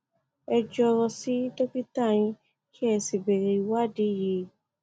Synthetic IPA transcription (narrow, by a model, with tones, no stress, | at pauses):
ɛ˧d͡ʒɔ˧ɾɔ˧si˨˦to˦ki˦ta˦˨j̃ĩ˧ | ki˦ɛ˧si˨bɛ˨ɾe˨i˧wa˦˨di˨˦˨je˧˦